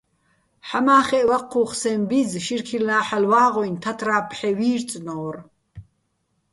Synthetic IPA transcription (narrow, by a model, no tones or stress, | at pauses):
ħamaːχɛʔwaqʰːuːχsɛmbizʃirkʰilnaːħalwaːʁɔjnt̪ʰat̪ʰɾaːpʰħɛwiːɾt͡sʼnɔːr